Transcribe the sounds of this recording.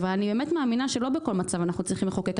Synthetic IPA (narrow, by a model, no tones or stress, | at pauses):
valanibemetmeaːminaʃelo̞beko̞lmat͡savanaχnut͡sʁiχimleχokek